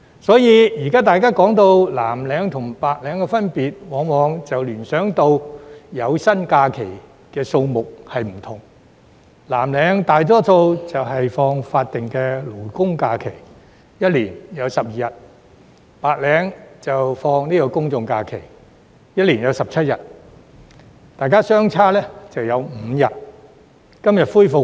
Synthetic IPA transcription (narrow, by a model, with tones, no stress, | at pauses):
sɔː˨˥jiː˨˧jiː˨˩kaː˥t̪̬aː˨jkaː˥kɔː˨˥ŋt̪o˧wlaː˨˩mlɛː˨˧ŋt̪ʰʊ˨˩ŋpaː˨k̚lɛː˨˧˥ŋkɛ˧fɐ˥npiː˨t̚wɔː˨˥ŋmɔː˨˧ŋt͡sɐ˨wlyː˨˩nsœː˨˥ŋt̪o˧wjɐ˨˧wsɐ˥nkaː˧kʰe˨˩j | kɛː˧so˧wmʊ˨k̚hɐ˨jm̩˨˩t̪ʰʊ˨˩ŋ | laː˨˩mlɛː˨˥ŋt̪aː˨jt̪ɔː˥so˧wt͡sɐ˨wɦɐ˨jfɔː˧ŋfaː˧t̚t̪ɪ˨ŋkɛː˧luː˨˩kʊ˥ŋkaː˧kʰe˨˩j | jɐ˥t̚liː˨˩njɐ˨˧wsɐ˨p̚jiː˨jɐ˨˩t̚ | paː˨k̚lɛː˨˧ŋt͡sɐ˨wfɔː˧ŋniː˥kɔː˧kʊ˥ŋt͡sʊ˧ŋkaː˧kʰḛ˨˩j | jɐ˥t̚li˨˩njɐ˨˧wsɐ˨p̚t͡sʰɐ˥t̚jɐ˨t̚ | t̪aː˨jkaː˥sœː˥ŋt͡sʰaː˥lɛː˥t͡sɐ˨wjɐ˨˧wm̩˨˧jɐ˨t̚ | kɐ˥mjɐ˨t̚fuː˥jfʊ˨